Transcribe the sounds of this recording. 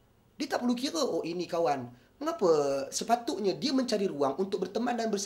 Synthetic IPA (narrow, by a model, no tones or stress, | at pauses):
diət̪aʔpəlukiɾəʔoʔinikawan | məŋapəsəpat̪ʊʔɲadiaməɲt͡ʃaɾiɾuaŋʔunt̪ʊk̚bərt̪əmandanbərs